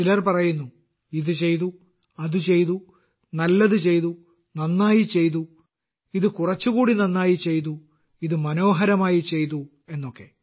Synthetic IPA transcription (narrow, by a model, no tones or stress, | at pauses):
t͡ɕilɐrpɐrɐjunːu | iðɨt͡ɕe̞jt̪u | ɐðɨt͡ɕe̞jt̪u | nɐlːɐðɨt͡ɕe̞jt̪u | nɐnːaːjit͡ɕe̞jt̪̬u | iðɨkurɐt͡ɕːuɣuːɽinɐnːaːjit͡ɕe̞jt̪̬u | iðɨmɐno̞ːɦɐɾɐmaːjit͡ɕe̞jt̪u | e̞nːo̞kːe̞